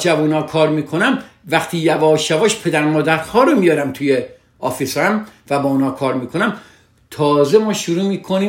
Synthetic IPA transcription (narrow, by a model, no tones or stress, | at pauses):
d͡ʒævunɒːkʰɒːɾmiːkʰonæmvæχt̪ʰiːjævɒːʃævɒːʃpʰe̞d̪æɾmɒːd̪æɾhɒːɾomijɒːɾæmt̪ʰuje | ɒːfisɒːæmvæbɒːunhɒːkʰɒːɾmiːkʰonæm | t̪ʰɒːzemɒːʃuɾuːmiːkʰoniː